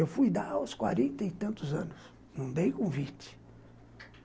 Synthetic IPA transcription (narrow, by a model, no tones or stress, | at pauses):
ewfujd̪awskwa̰ɾẽnt̪ɐɪt̪ɐ̃nt̪ʊzɐ̃nʊs | nɐ̃w̃d̪ejkõvit͡ʃɪ̥